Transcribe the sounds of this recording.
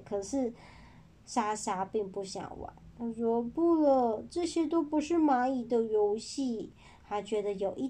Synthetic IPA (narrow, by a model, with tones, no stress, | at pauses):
kʰɤ˨˩ʂɻ̩˥˩ | ʂa˥ʂa˥pi˥˧ŋpu˥˩ɕjɑ̰˨˩ŋwa̰˧˩˦nɻɔ˧˥pu˥˩lə˨˩ʈ͡ʂɤ˥˩ɕjɛ˥t̪o˥ʊpu˧˥ʂɻ̩˥˩ma˧˥i˨˩d̪ə˧jo˧˥ʊɕi˥˩ | xʰa˧˥t͡ɕɥɛ˧˥d̪ə˧jo˨˩ʊʔi˥˩